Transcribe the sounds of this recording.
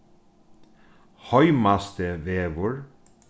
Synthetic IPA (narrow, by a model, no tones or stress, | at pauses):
hɔʏmast̪əʋeːʋʊɹ